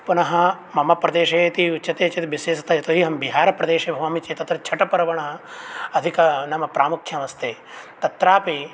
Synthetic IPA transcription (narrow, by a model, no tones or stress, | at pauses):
punɐɦɐ̆ | mɐmɐpɾɐd̪eːʃeːt̪iuʃɐt̪eːt͡ʃet̪ibiseːsɐ̥t̪ʰajɐt̪oɦiɦɐmbiɦaːɾɐpɾɐd̪eːʃeːbʱɐʋɐmit͡ʃeːt̪ɐt̪ɾɐt͡ʃʰɐʈɐpɐɾɐʋɐɳɐɦɐ̆ɐd̪ʱikɐnɐmɐpɾaːmukʰjɐmɐst̪eː | t̪ɐt̪ɾaːpi